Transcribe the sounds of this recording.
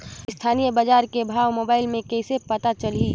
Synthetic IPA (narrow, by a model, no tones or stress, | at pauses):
st̪ʰaːnijəbəd͡ʒaːɾkebʱaːwmoːbaːɪlmẽkɛɪsepɐt̪at͡ʃəli